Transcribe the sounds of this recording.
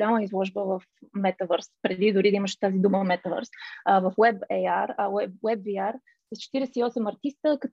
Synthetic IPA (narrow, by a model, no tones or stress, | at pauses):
lʲaməizlˠɔʒbəvɐfmɛt̪ɐvəɾspɾɛd̪id̪ʊɾid̪əiməʃt̪azid̪uməmɛt̪əvə̰ɾsvɐfwɛbɛaɾɛwɛbviaɾ | səst͡ʃɛ̥t̪iɾɛsɛiɔsɛmɐɾt̪ist̪əkə